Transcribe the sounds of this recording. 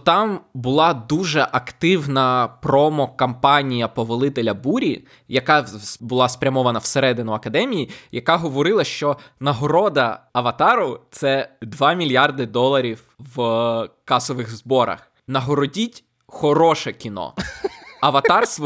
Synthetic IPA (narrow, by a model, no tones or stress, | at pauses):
t̪ɑmbʊlˠɑd̪uʒɛʔɐkt̪ɪwnɐpɾɔmɔkɐmpɑnʲijɐpɔʋɐlˠɪt̪elʲɐbuɾʲḭ | jɐkɑbʊlˠɑspɾʲɐmɔʋɐnɐwseɾɛd̪ɪnʊɐkɐd̪ɛmʲijijɐkɑɦɔʋɔɾɪlˠɐʃt͡ʃɔnɐɦɔɾɔd̪ɐɐʋɐt̪ɑɾʊt̪sɛd̪ʋɑmʲilʲjɑrd̪ɪd̪ɔlˠɐɾʲiw | ʋkɑsɔʋɪxzbɔɾɐ̰x | nɐɦɔɾɔdʲitʲ | xɔɾɔʃɛkʲinɔ̰ | ɐʋɐt̪ɑrsʋ